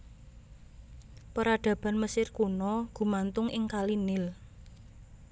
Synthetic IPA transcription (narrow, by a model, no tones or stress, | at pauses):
pəɾaɖ̪̥ä̤b̥a̤nməsɪrkunɔɡ̥ṳmant̪ʊŋʔɪŋkalinɪl